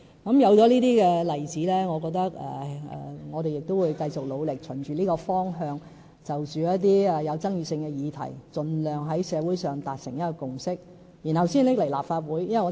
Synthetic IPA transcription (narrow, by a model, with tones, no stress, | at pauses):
kɐ˨˥mjɐ˨˧wt͡sɔː˨˥liː˥t̪iː˥kɛː˧lɐ˨˩jt͡siː˨˥lɛː˥ŋɔː˨˧kɔː˧k̚t̪ɐ˥k̚ɛ̰˨ɛ̰˨ŋɔː˨˧ɾe˨jɪ˨k̚t̪o˥wuː˨˧jkɐ˧jt͡sʊ˨k̚lo˨˧wlɪ˨k̚t͡ʃʰɵ˨˩nt͡ʃyː˨liː˥kɔː˧fɔː˥ŋɦœː˧ŋ | t͡sɐ˨wt͡ʃyː˨jɐ˥t̪iː˥ɛ˨˩jɐ˨˧wt͡sɐ˥ŋjyː˨˧sɪ˧ŋkɛː˧jiː˨˧t̪ʰɐ̰˨˩jt͡sɵ˨nlœː˨ŋɦɐ˨˥jsɛː˨˧wuː˨˥jsœː˨ŋt̪aː˨t̚sɪ˨˩ŋjɐ˥tkːɔ˧kʊ˨ŋsɪ˥k̚ | ji˨˩nhɐ˨wsiː˥nlɪ˥k̚le˨˩laː˨p̚faː˧t̚wuː˨˥jjɐ˥nwɐ˨jŋɔ˨˧